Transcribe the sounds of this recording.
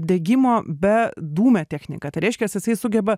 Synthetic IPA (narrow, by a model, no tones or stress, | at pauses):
d̪ʲeːɡʲɪmoːbʲɛd̪uːmʲɛːt̪ʲæːxʲnʲɪ̰kɐːt̪ɐɪɾʲɛɪʃʲkʲɛsjɪsɐɪsʊɡʲɛbɐ